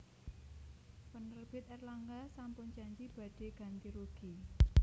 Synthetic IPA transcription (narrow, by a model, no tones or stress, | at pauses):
pənərb̥ɪt̪̚ɛrlaŋɡasampʊnd͡ʒaɲd͡ʒib̥a̤ɖ̥e̤ɡ̥ä̤nt̪iɾuɡ̥i